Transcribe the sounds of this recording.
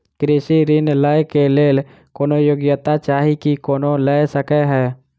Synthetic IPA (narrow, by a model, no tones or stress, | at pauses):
kɾɪsiɾɪnlaːjkeleːl | koːnojoɡjət̪at͡ʃaːɦikikoːnolejsəkeɦɛː